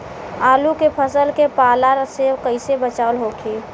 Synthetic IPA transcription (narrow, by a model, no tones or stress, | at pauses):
aːlukepʰəsəlkepaːlaɾsewkəɪsebət͡ʃaːʊəlɦokʰi